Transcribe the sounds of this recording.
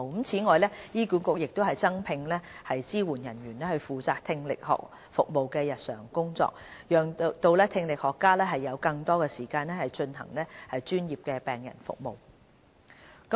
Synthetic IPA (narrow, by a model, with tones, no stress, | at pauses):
mt͡sʰiː˨˥ŋɔː˨jlɛː˥jiː˥kuː˨˥nkʊ˨˧k̚jɪ˨k̚t̪o˥hɐ˨jt͡sɐ˥ŋpʰɪ˧ŋlɛː˥hɐ˨jt͡siː˥wuː˨˩njɐ˨˩njyː˨˩nlɛː˥hɵ˧ɥfuː˨˩t͡saː˨k̚t̪ʰɪ˧ŋlɪ˨k̚hɔ̰ː˨k̚ | fʊ˨k̚mo˨wkɛː˧jɐ˨t̚sœ̰ː˨˩ŋkʊ˥ŋt͡sɔ̰ː˧k̚jœː˨˩ŋt̪o˧wlɛː˥t̪ʰɪ˧ŋlɪ˨k̚hɔː˨kːaː˥lɛː˥ɦɐ˨jːɐ˨˧wkɐ˧ŋt̪ɔː˥kɛː˧siː˨˩kaː˧nlɛ˥hɐ˨jt͡ʃɵ˧nhɐ̰˨˩ŋlɛː˥hɐ˨jt͡ʃyː˥njiː˨p̚kɛː˧pɛː˨ŋjɐ̰˨˩nfʊ̰˨k̚mo̰˨w | k